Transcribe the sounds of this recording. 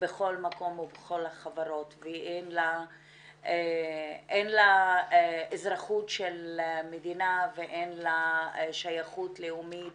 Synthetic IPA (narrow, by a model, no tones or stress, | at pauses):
beχo̞lmako̞mubeχo̞lhaχavaɾo̞tveʔenla | eʔenlaeezɾaχutʃelmedinaveʔenlaʃajaχutleumit